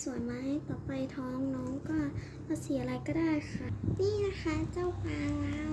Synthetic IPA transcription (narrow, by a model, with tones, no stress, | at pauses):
su˨˩ənmaː˧ha˧˥˩jt̪ɔː˨˩pa˧jt̪ʰɔː˧˥ŋnɔː˧˥ŋkɔː˧˩ | a˧˩si˨˩˦a˧la˧jkɔː˧˥˩daː˧˥˩jxʰa˧˩miː˧˩na˧˥˩xʰa˦˧˥t͡ɕa˥˩wpaː˧ŋlaː˧˥